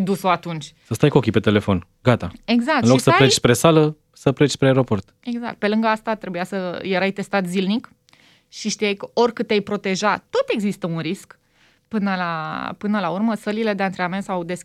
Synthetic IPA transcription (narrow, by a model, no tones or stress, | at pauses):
d̪usoat̪unt͡ʃʲsəst̪ajko̞kʲipe̞t̪e̞lefo̞n | ɡat̪ae̞ɡzak̚tɨnloksəpaɾet͡ʃspɾesalə | səpɾet͡ʃʲspɾeaeɾo̞po̞rt̪ | e̞ɡza̰kt̪̚pe̞lɨŋɡəast̪at̪ɾe̞bujasəje̞ɾajt̪e̞st̪at̪zilnik | ʃiʃt̪ijajkəʔo̞rʲkɨt̪ejpɾo̞t̪e̞ʒat̪ːo̞t̪e̞ɡzist̪əunɾisk | pɨnəlapɨnəlaurməsəlile̞d̪eant̪ɾeamensawd̪e̞sʲ